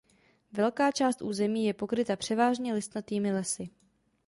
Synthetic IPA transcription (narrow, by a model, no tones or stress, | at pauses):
vɛlkaːt͡ʃaːst̪ʔuːzɛmiːjɛpo̞kɾɪt̪apr̝̥ɛvaːʒɲɛlɪst̪nat̪iːmɪlɛsɪ